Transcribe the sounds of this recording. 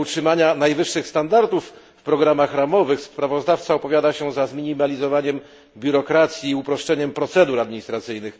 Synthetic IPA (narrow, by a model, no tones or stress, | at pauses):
utʂɘmaɲanajvɘʂːɘxst̪and̪aɾd̪ufː | pɾɔɡɾamaxɾamɔvɘxspɾavɔzd̪aft̪saɔpɔvʲjad̪aɕɛzazmʲiɲimalʲizɔvaɲɛm | bʲjuɾɔkɾat̪sʲjiːupɾɔʂt͡ʂɛɲɛmpɾɔt̪sɛd̪uɾad̪mʲiɲist̪ɾat̪sɘjnɘx